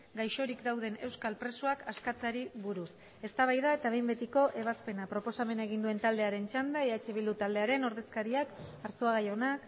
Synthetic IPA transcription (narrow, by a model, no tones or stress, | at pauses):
ɡajʃo̞ɾikd̪awð̞e̞ne̞wskalpɾe̞suakaskat͡saɾiβuɾus | e̞st̪aβ̞ajðae̞t̪aβ̞e̞jmbe̞t̪iko̞ʔe̞β̞aspe̞napɾo̞po̞same̞naeɣ̞ind̪ue̞nt̪ald̪e̞aɾe̞nt͡ʃand̪aeat͡ʃe̞βilut̪ald̪e̞aɾe̞no̞ɾð̞e̞skaɾiakaɾsoaɣajo̞nak